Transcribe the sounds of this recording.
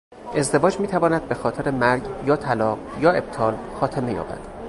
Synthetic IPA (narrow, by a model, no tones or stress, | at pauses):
ʔe̞zd̪evɒːd͡ʒmiːt̪ʰævɒːnæd̪̚be̞xɒːt̪ʰe̞ɾe̞mæɾɟjɒːt̪ʰælɒːɢjɒːe̞b̚t̪ʰɒːlxɒːt̪ʰeme̞jɒ̰ːbæ̰d̪̥